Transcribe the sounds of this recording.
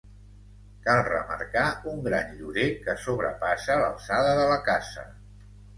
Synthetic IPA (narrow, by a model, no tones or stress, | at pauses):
kalˠrəmə̰ɾkauŋɡɾanʎuɾekəsoβɾə̰pasələ̰lˠsaðəðələkazə̰